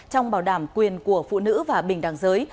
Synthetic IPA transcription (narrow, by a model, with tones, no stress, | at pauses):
t͡ɕɔ˧wŋ͡mɓaː˧˩wɗaː˧˩mkwi˨˩ənku˧˩əfṵ˧˨nɨ̰˧˥vaː˨˩ɓï˨˩ŋ̟ɗaː˨˩ŋzəː˨˦j